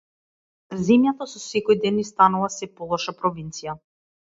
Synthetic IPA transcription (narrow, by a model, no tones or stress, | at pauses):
zɛmjat̪asɔsɛkɔjd̪ɛnːist̪anulˠasɛpɔlˠɔʃapɾɔvint̪sija